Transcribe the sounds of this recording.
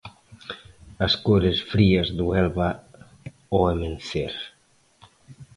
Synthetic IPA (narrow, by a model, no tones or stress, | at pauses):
askoɾesfɾiazd̪uɛlβa | oemenθeɾ